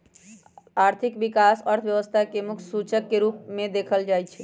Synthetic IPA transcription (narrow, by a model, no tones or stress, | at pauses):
aɾt̪ʰikbikasəɾt̪ʰʋjəʋəst̪ʰakemuk̪ʰsut͡ʃəkːeɾupmẽd̪ekʰəld͡ʒajt͡ʃʰɛ